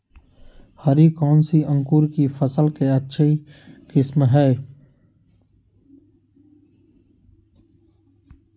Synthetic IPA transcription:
həɾikɔːnsiʔə̃ŋkuːɾkifʰəsəlkeətːʃʰikɪsmɦɛː

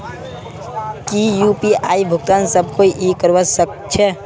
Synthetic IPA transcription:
kijupiaːibʱʊk̚t̪aːnsəb̚ʱkoiʔikəɾʋəsək̚ | t͡ʃʰɛ

